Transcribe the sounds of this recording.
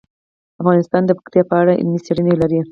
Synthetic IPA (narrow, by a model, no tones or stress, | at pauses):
afɣɑnɪst̪ɑnd̪əpḁxt̪jɑpəaɽaʔɪ̰lmiseɽənelaɾi